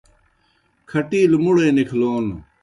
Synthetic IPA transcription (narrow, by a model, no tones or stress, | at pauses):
kʰɐʈiːlmuɽeːnikʰloːn